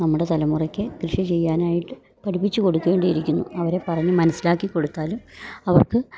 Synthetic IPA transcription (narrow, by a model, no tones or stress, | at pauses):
nɐmːuɽe̞t̪ɐlɐmurɐkʲːɨkrɨʂɐt͡ɕe̞jːaːnaːjiʈːɨ | pɐʈipːit͡ɕːuko̞ɽukːeːɳɖɨjiɾikʲːunːṵɐʋɐɾe̞pɐrɐɲːɨmɐnɐsːilaːkːikːo̞ɽut̪ːaːlumɐʋɐrkɨ